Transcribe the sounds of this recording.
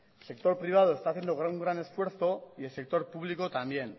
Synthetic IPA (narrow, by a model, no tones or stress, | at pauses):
se̞k̚t̪o̞ɾpɾiβ̞að̞o̞est̪aːθje̞nd̪oɣuŋɡɾane̞sfwe̞ɾθo̞ielse̞k̚t̪o̞ɾpuβliko̞t̪ambje̞n